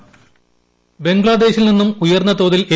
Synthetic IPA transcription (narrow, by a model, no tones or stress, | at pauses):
be̞ŋɡɭaːd̪e̞ːɕilninːumujɐrnːɐt̪o̞ːðile